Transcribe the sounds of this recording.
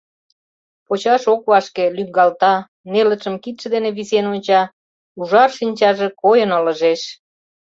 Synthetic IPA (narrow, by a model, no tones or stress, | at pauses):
pot͡ɕɑʃokβɑʃkelyŋɡɑlt̪ɑ | nelət͡ʃə̆mkit̪ʃĕd̪eneβisenonʲt͡ɕɑ | uʒɑrʃinʲt͡ɕɑʒĕkojənələ̆ʒeʃ